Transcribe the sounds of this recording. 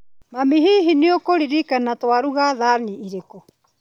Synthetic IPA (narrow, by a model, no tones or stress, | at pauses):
mamiɦiɦiniokoɾiɾikanatoaɾuɣaðaːniʔːɾeko